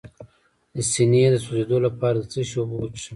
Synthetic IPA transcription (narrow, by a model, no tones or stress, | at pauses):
d̪əsinijed̪əsozed̪olapɑɾad̪ət͡səʃobwt͡ʃʂi